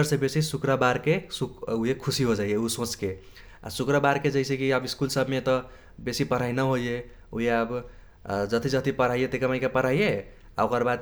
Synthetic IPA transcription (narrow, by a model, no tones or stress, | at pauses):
əɾsẽbesisukɾəbaɾkesukuɦekʰusiɦod͡ʒajeusõt͡ʃke | a̰sukɾəbaɾked͡ʒəɪsẽkiəbiskulsəbʱmet̪ʌ | besipəɾ̤ainəɦoije | uɦeab | d͡ʒʌt̪id͡ʒət̪ipəɾ̤aijet̪ekəmaɪkepəɾ̤aije | a̰okəɾbad̪